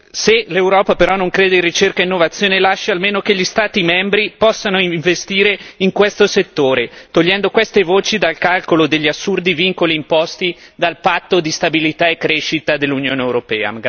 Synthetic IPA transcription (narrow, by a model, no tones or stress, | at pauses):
selewɾɔːpapeɾɔnoŋkɾeːd̪eirit͡ʃerkainːovat̪sːjoːnelaʃːaalmeːnokeʎist̪aːt̪imɛmbɾipɔsːanoiɱvest̪iːɾeiŋkwest̪oset̪ːoːɾet̪oʎːɛnd̪okwest̪evoːt͡ʃid̪alkalkolod̪eʎːiasːurd̪iviŋkoliːmpɔst̪id̪alpat̪ːod̪ist̪abilit̪aekːɾeʃit̪ad̪elːunjoːneewɾopɛ̰ːa̰